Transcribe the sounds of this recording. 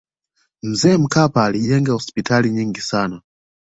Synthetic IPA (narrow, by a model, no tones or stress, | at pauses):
m̩zɛm̩kʰapaːliʄɛŋɡahɔspitʰaliɲiŋɡisaːna